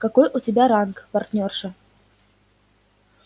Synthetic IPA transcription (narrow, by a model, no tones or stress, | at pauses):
kɐkojʔʊtʲɪbʲaɾankpɐrtʲnʲorʂɨ